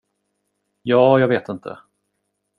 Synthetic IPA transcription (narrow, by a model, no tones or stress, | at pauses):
jɑːjɑːɡveːt̪ɪnt̪ʰə̰